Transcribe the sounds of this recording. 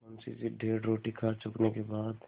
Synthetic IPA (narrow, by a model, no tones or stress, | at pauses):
ɔnsisiɖʱeːɾɾoːʈikʰat͡ʃʊknekebaːd̪